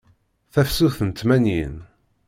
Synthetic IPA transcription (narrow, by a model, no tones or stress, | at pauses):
θæfsuθənt̪mænjḭn